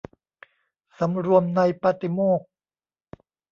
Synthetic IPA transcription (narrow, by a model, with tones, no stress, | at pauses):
sa˩˦mɾu˧əmna˧jpa˧˥t̪i˧moː˥˩k̚